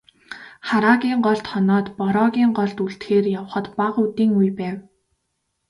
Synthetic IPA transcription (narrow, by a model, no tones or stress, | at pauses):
χaɾaːɣʲiːŋɢɔɮt̪χɔnɔːt̪pɔɾɔːɣʲiːŋɢɔɮt̪uɬt̪xeːrjawə̆χə̆t̪paʁut̪iːŋujpæːw